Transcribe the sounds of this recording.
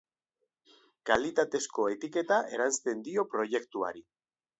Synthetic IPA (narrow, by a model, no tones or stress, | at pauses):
kalit̪at̪e̞sko̞e̞t̪ike̞t̪aʔe̞ɾanst̪e̞nd̪io̞pɾo̞je̞kt̪ua̰ɾi